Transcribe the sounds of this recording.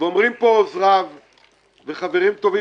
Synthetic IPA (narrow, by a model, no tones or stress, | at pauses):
veomʁimpoːzʁav | ve̞χaveʁimt̪o̞vi